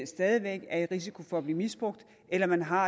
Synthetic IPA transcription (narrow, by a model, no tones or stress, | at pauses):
sd̥ɛːðˠiʋeɡ̥æɐe̝d̥ʁisi̥kʰo̝fɒ̽ːb̥liːmisb̥ʁɔɡ̥̚d̥ | elɐmænɦɑ̈